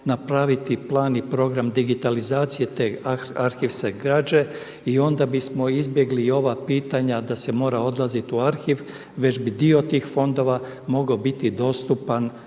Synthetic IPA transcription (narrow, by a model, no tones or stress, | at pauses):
napɾaʋit̪iplˠaːnipɾo̞ɡɾamd̪iɡit̪alizaːt̪sije̞t̪e̞ːaɾxiʋseɡɾaːd͡ʒe̞ | io̞nd̪abismo̞izbje̞ɡlio̞ʋapiːt̪aɲad̪ase̞mo̞ːɾao̞d̪lˠazit̪uaɾxiʋ | ʋe̞t͡ɕbid̪io̞t̪iːxfo̞nd̪o̞ʋa | mo̞ɡaobit̪id̪o̞st̪upan